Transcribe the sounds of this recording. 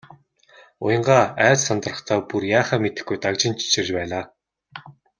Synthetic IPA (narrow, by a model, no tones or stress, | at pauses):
ʊ̰jə̆ɴɢaːæːt͡ɕsant̪ə̆rə̆χt̪ʰaːpurjaːχaːmet̪ɘ̆xɡujt̪akt͡ɕɪ̆nt͡ɕʰt͡ɕʰĕrt͡ɕpæːɮaː